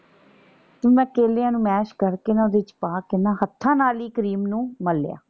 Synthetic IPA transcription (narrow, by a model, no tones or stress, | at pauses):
t̪ĩːmɛ̃ːkeːlɪjãːnũːmɛːʃkəɾkeːnãːd̪eːɪt͡ʃpaːkɪnːãːɦət̪ʰːãːnaːliːkəɾiːmnũːməlːja̰ː